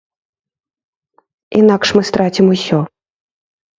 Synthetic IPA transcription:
ḭnakʂmɨst̪ɾat͡sʲimusʲɔ

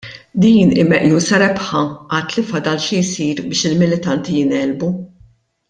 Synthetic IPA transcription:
d̪iːnɪmɛʔjuːsɐɾɛpħɐʔɐt̪ːlɪfɐd̪ɐlʃijsiːɾbɪːʃɪlmɪlɪt̪ɐnt̪ijɪnɛːlbu

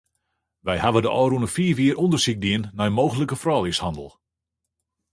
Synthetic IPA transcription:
ʋɛjhaʋədəʔɔɾunəfiːʋiərundərsik̚diənːɛjəmowɣələkəfrɔːlˠishɑndə̰lˠ

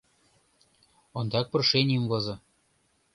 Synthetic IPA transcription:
ŏnd̪ɑk̚pɤ̆rʃenʲimvɤ̆zɤ̆

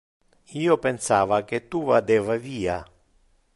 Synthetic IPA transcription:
iːɔpɛnsaːvaket̪ːuvad̪ɛːvaviːa

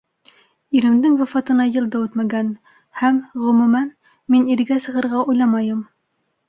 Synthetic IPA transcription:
iɾɘ̆md̪ɘŋwæ̆fɑt̪ɤ̆nɑjɤlˠd̪ɑwɘt̪mæɡæn | hæmʁɵ̆mumæn | miniɾɡæsɤ̆ʁɤ̆ɾʁɑʔujlˠɑmɑjɤm

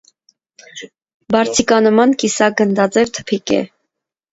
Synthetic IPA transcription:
bɑɾt͡sʰikɑnəmɑnkisɑɡənd̪ɑt͡sɛvt̪ʰə̥pʰikɛ̰

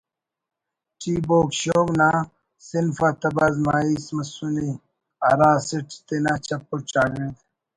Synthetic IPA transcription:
ʈiːboːkɕoːɡna | sinfat̪ɐbɐzmaːismɐsuni | ɐɾãːsiʈi̥t̪enaːt͡ɕɐpːuɾt͡ɕaːɡed̪

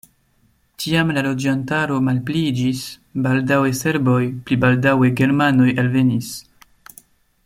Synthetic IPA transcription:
tiamlalo̞d͡ʒantaɾo̞malplid͡ʒis | baldawe̞se̞ɾbo̞jplibaldawe̞ɡe̞ɾmano̞jalve̞nis

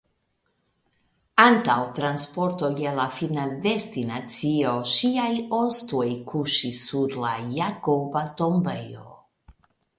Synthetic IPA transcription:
ant̪awt̪ɾanspoɾt̪ojelafinadest̪inat͡sioʃiajost̪ojkʰuʃisuɾlajakobat̪ombejo̰

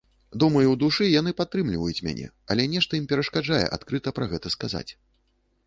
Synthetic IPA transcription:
d̪umɐjuwd̪uʂɨjanɨpat̪ːɾɨmlʲivɐjut͡sʲmʲa̰nʲʔɛ̰ | ɐ̰lʲɛnʲɛʂt̪ɐimpʲɛɾɐʂkad͡ʐajɛ̰ʔa̰t̪kɾɨt̪ɐpɾɐɣɛt̪ɐskaza̰t͡sʲ

